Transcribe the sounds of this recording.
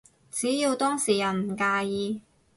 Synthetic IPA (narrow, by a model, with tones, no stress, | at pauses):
t͡siː˨˥jiː˧wt̪ɔː˥ŋsiː˨˩jɐ˨˩wm̩˨˩kaː˧jiː˧